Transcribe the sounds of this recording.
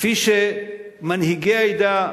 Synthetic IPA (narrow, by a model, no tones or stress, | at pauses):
fiʃe | mɐnɦiɡeɐjd̪a